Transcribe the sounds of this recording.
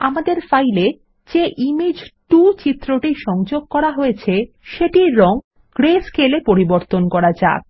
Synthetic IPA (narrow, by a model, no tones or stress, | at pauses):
amad̪eɾfajle | d͡ʑeʔimed͡ʑʈut͡ɕit̪ːɾoʈiʃɔŋd͡ʑoɡ̚kɔɾaɦojet͡ɕʰe | ʃeʈiːɔŋ | ɡ̥ɾeskʰelepoɾiboɾt̪onkɔɾad͡ʑa̰k̚